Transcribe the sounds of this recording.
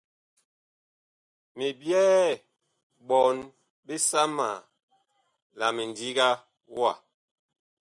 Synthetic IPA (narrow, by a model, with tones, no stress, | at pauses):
mi˨bjɛː˦ | ɓɔ˨n | bi˦sa˦ma˨ | la˨mi˨n˨di˦ɡa˦ | wa̰˦˨